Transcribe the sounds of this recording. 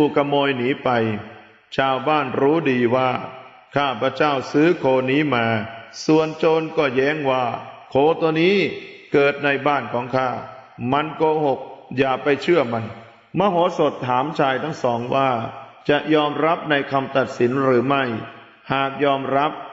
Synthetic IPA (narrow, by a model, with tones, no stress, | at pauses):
uː˧kʰa˧moː˧jniː˩˦pa˧j | t͡ɕʰaː˧wbaː˥˩nɾuː˦˥diː˧waː˥˩ | kʰaː˥˩pʰɾa˧t͡ɕaː˥˩wsɯː˦˥kʰoː˧˩niː˦˥maː˧su˨˩ənt͡ɕoː˧nkɔː˥˩jɛː˦˥ŋwaː˥˩kʰoː˧t̪u˧niː˦˥kɤː˨˩t̪̚na˧jbaː˥˩nkʰɔː˩˦ŋkʰaː˥˩ | ma˧nkoː˧ho˨˩k̚jaː˨˩pa˧jt͡ɕʰɯ˥˩əma˧n | ma˧ɦoː˨˩˦so˨˩t̪ʰːaː˩˦mt͡ɕʰaː˧jt̪ʰa˥˩ŋsɔː˩˦ŋwaː˥˩t͡ɕa˨˩ʔjɔː˧mɾa˦˥p̚na˧jkʰa˧mt̪a˨˩t̪̚si˩˦nɾɯː˩˦ma˥˩j | haː˨˩k̚jɔː˧mɾa˦˥p̚